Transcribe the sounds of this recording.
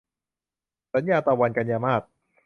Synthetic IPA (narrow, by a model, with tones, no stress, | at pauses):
sa˨˦njaː˧t̪ɔː˧wa˧nka˧njaː˧maː˥˩t̪̚